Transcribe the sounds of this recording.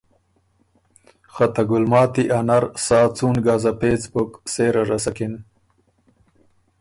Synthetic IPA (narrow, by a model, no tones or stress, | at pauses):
xɐt̪ɐɡʊlmɑːt̪iʔɐnɐɾsaːt͡suːnɡaːzapeːt͡spokseːɾɐɾɐsɐkin